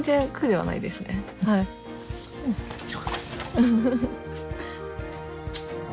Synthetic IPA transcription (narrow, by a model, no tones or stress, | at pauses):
d͡ʑekʰɯ̟d̪e̞βa̰na̰id̪e̞sɨne̞ | hai | ɯ̃ | ɯ̃ɴ